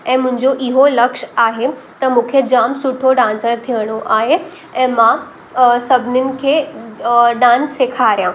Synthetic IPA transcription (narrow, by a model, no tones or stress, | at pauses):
ɛ̃ːmʊ̃ɦɪ̃ɲd͡ʑoʔɪɦolɐkʃaːɦet̪ɐmũːkʰed͡ʑaːmsʊʈʰoɖãːnsəɾt̪ʰijəɽ̃oʔaːɦe | ɛ̃ːmã | sɐbʱɪnɪnɪ̆kʰeː | ɗãːnseːkʰaːɾijã